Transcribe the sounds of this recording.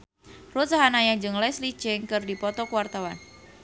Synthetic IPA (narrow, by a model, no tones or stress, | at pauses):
rut̪saɦanajaɲd͡ʒɨŋlɛslit͡ʃɪŋkɨrdipɔt̪ɔkuwart̪awan